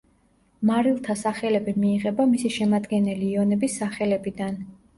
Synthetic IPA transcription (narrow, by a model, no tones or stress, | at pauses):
maɾilˠt̪ʰasaχɛlɛbimiːʁɛbamisiʃɛmad̪ɡɛnɛliːɔnɛbisːaχɛlɛbid̪an